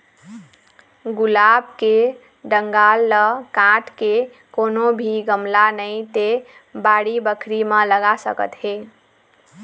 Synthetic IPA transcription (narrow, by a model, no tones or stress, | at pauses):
ɡulabke | ɖəŋɡalːəkãʈke | konobʱiɡəmlanəjt̪e | baɽibəkʰɾimə̃ləɡasə̰kə̰t̪ɦe